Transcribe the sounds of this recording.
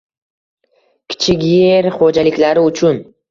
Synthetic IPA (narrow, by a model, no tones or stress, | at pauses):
kʲʰɪ̥t͡ʃʰɪkʲjeeɾχod͡ʒalɪkʲlaɾɪʊt͡ʃʰʊn